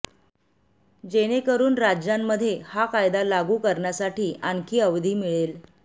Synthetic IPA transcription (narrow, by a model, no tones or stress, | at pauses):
d͡ʑeɽ̃ekəɾuːnɾad͡ʑjamːəd̪ʱːjehakajd̪alaɡuːkəɾɳjasaʈiːʔankʰiːəʋd̪ʱiːmiɭel